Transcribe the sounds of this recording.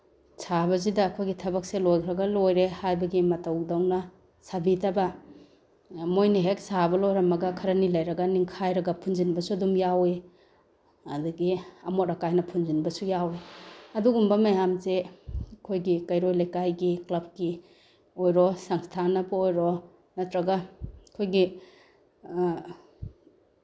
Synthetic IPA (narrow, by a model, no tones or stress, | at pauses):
sʰaβɐzidɐːkʰojɡitʰɐbɐk̚selojkʰɾɐɡɐlojɾehajbɐɡimɐtɐwdawnɐ | sabitʰɐbɐ | mojniɦek̚sabɐlojɾɐmɐɡɐkʰɐɾɐnilɐjɾɐɡɐniŋkʰajɾɐɡɐpʰunzinbɐsuɐdumjawe | ɐduɡiɐmot̚ɾɐkajnɐpʰunzinbɐsujaweɐduɡumbɐmajamzekʰojɡikɐjɾojlɐjkajɡiklɐb̚ki | ojɾɔsɐŋstʰanɐbɐojɾo | nɐt̪ɾɐɡɐkʰojɡi